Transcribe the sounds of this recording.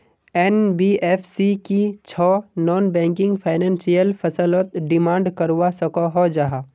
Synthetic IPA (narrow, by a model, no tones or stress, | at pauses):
ɛːnbiːʔɛːfʰsikit͡ʃʰɔːnɔːnbɛ̃ːŋkɪ̃ŋɡfʰaːɪnɛ̃ːnsijəlfʰɐsəlɔt̪ɖɪmãːɳɖkɐɾwasɐkoɦɔd͡ʒaɦaː